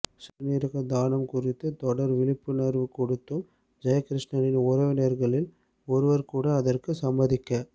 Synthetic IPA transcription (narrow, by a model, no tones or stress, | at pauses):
sɐniːɾɯɣɐd̪aːnɐmkʊrɪt̪ːɯt̪ɔɽɐɾʋɪlɪpːɯneɾʋɯkːɔɽɯt̪ːɯm | d͡ʒɐjɐkɾɪʂɳɐnɪnʊɾɐʋɪneːɾɣɐɭɪl | ɔɾɯʋɐɾkuːɽɐːðɐrkɯsɐmbɐðɪkːɐ